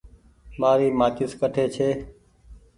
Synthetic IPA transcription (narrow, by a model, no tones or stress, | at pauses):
maːɾiːmaːkɪskəʈʰeːt͡ʃʰeː